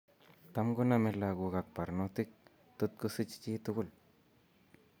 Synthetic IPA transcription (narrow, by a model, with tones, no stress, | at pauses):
t̪a˦mɡu˦name˧laɡu˧ɡa˨k̚pa˨ɾnot̪ik̚ | t̪u˦t̪̚kusɨ˦t͡ʃt͡ʃi˦t̪uɡu˦l